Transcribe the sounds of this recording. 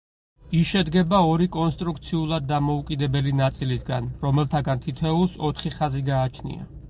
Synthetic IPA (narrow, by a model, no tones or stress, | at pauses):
isʃɛd̪ɡɛbaɔɾikʼɔnst̪ʼɾuk̚ʰt̪sʰiulˠad̪ːamɔukʼid̪ɛbɛlinat̪sʼilisɡa̰nɾɔmɛlˠt̪ʰaɡant̪ʰit̪ʰɛulˠsɔt̪ʰχiχaziɡaːt͡ʃʰnḭa̰